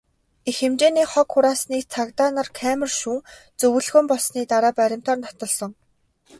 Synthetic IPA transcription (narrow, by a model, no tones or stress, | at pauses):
exemt͡ɕeːniːχɔkxʊɾaːsniːkt͡sʰakt̪aːnărkʰæːmə̆rʃuːŋ | t͡sɵwɵ̆ɮɣɵ̆mpɔɮsniːt̪aɾaːpæɾʲɪ̆m̥t̪ʰɔːrnɔt̪ɞ̆ɮsɞ̆ŋ